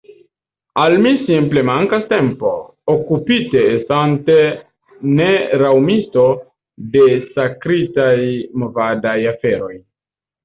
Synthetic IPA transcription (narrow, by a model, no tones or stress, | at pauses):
almisimple̞maŋkaste̞mpo̞ | okupite̞ːstante̞ | neɾawmisto̞ | de̞sakɾitajmo̞vadajafe̞ɾo̞j